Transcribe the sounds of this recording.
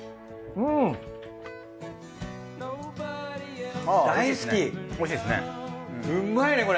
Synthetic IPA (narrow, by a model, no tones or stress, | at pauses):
ɯ̟̃ | n | ad̪aisɨ̥kʲimoɕiːd̪esɨnḛ̃ɯ̟̃mːaeneko̞ɾ